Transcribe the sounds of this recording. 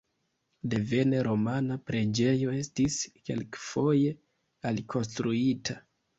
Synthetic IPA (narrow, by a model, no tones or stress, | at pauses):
de̞ve̞neɾo̞manapɾe̞d͡ʒe̞jo̞e̞stiske̞̰lkfo̞je̞ | alkʰo̞nstɾuitʰa